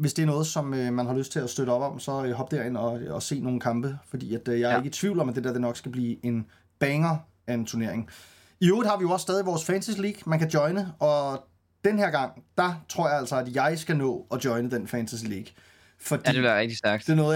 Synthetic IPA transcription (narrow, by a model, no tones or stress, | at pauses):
ʋe̝sd̥e̝æɐnɔ̽ːð̞̩ˠsɒ̽mømænɦhɑ̈løsd̥̚t͡sʰe̝læsd̥øɾ̥əɒ̽b̥ɒ̽msɒ̽øɦɒ̽b̥d̥eɐeŋɒ̽ɒse̝̰ːno̝ːn̩kʰɑ̈mb̥əfɒ̽d̥ḭːæd̥jɑ̈æɐe̝ɡ̥ət͡sʰʋiʊ̰lɒmæd̥ed̥eɐd̥e̝nɒ̽ɡ̥sɡ̥æb̥liːe̝n | b̥ɛŋɐ | æent͡sʰuɐne̝ɐ̰eŋ | ioːð̩ˠhɑ̈ʋijo̝ɒ̽sːd̥ɛːðˠiʋɒːsfɛnsisiliɡ̥mænkʰæd̥jɒ̽ɪnəɒ̽ | d̥enheɐɡ̥ɑ̈ŋ̰d̥ɑ̈t͡sʰʁo̝ɐ̰jɑ̈æl̰sɒ̽æd̥jɑ̈ɪsɡ̥ænɔ̰̽ːɒ̽d̥jɒ̽ɪnəd̥enfɛnsʰisiliɡ̥ | fɒ̽d̥ḭæɐʁɛɡ̚d̥isd̥æɐɡ̥̚d̥e̝æɐnɔː